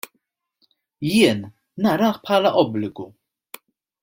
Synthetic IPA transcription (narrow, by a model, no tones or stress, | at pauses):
jɪːnː | ɐɾɐːħpħɐːlɐʔɔblɪɡu